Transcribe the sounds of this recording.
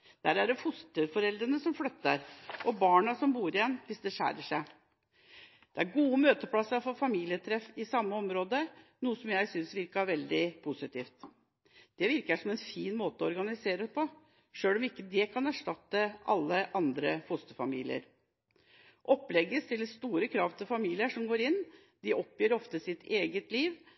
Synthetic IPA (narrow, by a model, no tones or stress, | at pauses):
d̪̥æɖæɖɛfʊst̪əfɔɾɛld̪ɾənəsɔmflœt̪ːəɾʔɔbɑːɳɑsɔmbuːɾɪjɛnːʋɪsd̪ɛʂæ̰ːɾəʂæɪ | d̪̥ɛæɾɡuːəmøːt̪əpʰlɑsəfɔɾfɑmiːlɪət̪ʰɾɛfɪsɑmːəɔmɾoːd̪ənuːəsɔmjæɪsʏnsʋɪɾkəɑɾʋɛld̪ɪpʰʊsɪt̪iːft̪ | d̪̥ɛʋɪɾkəʂɔmɛnfiːnmoːt̪əɔɔɾɡɑnɪseːɾəpʰɔ | ʂøːlɔmɪkːəd̪ɛkʰɑnæʂʈɑt̪ːəʔɑ̰lːəʔɑnd̪ɾəfʊst̪əfɑmḭːlɪ̰ə̰ɾ | ʔɔplɛɡəst̪ɪlːəst̪uːɾəkʰɾɑʋt̪ʰɪfɑmiːlɪəʂɔmɡoːɾɪnː | d̪̥ɪʔɔpjøːɾɔft̪əsɪt̪ʰeːɡət̪liːʋ